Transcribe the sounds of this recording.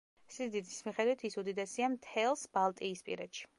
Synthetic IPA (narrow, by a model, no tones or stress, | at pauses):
sid̪id̪ismiχɛd̪wit̪ʰisud̪id̪ɛsiamt̪ʰɛlˠsb̥alˠt̪ʼiːspʼḭɾɛd̪ʃi̥